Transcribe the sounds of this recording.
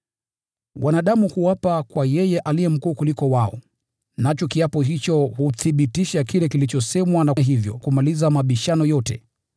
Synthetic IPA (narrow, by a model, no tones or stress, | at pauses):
wʔanaɗamuhuwapakwajɛjɛʔalijɛm̩kuːkulikɔwaɔ̰ | nat͡ʃɔkiapɔɦit͡ʃɔhuθiɓitiʃakilɛkilit͡ʃɔsɛmwanaɦivjɔ̰kumalizamaɓiʃanɔjɔtɛ̰